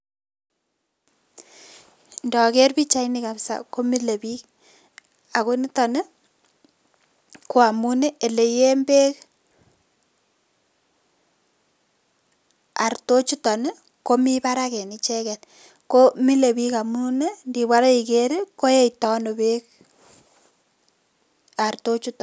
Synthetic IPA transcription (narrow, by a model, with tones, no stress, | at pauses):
ndɔ˨ke˦rpi˦t͡ʃa˦inika˨psa̰˨ko˦mi˦le˨bi˦k | a˨ku˦ni˦tɔ˨ne˦ | ko˦a˨mu˦ne˦e˨le˨je˦mbe˦k | a̰˨rto˦t͡ʃu˦tɔ˨ne˦ | ko˦mi˦pa˦ɾake˨ni˨t͡ʃɛ˦kɛ˨l | ko˦mi˦le˨bi˦ka˨mune˦ndi˨wa˦ɾa˦i˨keɾko˦je˦itɔ˦no˨be˦k̚ | a˨rto˦t͡ʃu˦tɔ˨